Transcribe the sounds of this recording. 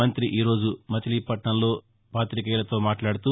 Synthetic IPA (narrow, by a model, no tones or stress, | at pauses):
ɐnt̪ɾiʔiːɾo̞ːd͡ʒumɐt͡ʃɐliːpɐʈɳɐnlo̞ː | paːt̪ɾik̬ɛːlɐt̪o̞ːmaːʈlaːɽut̪uː